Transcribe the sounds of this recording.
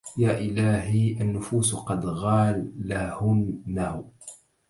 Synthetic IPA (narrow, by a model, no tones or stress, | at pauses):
jaːʔɪlaːɦiʔanːʊfuːsqɑd̪ɣɑːlːahʊmːa